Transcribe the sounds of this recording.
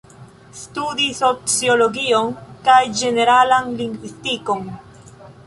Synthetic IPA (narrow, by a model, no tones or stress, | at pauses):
stud̪iso̞t͡sjo̞loɡio̞nkajd͡ʒe̞ne̞ɾalanliŋɡvwistiko̞n